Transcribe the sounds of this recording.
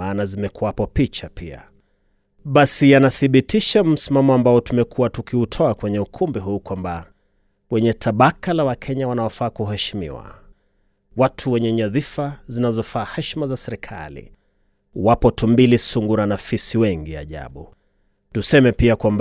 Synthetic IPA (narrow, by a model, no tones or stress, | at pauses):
aːnazimɛkuwapɔpit͡ʃapia̰ | ɓasijanaθiɓitiʃam̩simamɔambaɔtumɛkʰuwatukiutʰɔakwɛɲɛukʰumbiɦuːkwamba | wɛɲɛtʰaɓakalawakʰɛɲawanawɔfaːkuɦɛʃimḭwa̰ | watʰuwɛɲɛɲaðifazinazɔfaːhɛʃmazasɛɾikʰa̰lḭ | wapɔtumbilisuŋɡuɾanafisiwɛŋɡia̰ʄa̰ɓṵ | tusɛmɛpiakwamb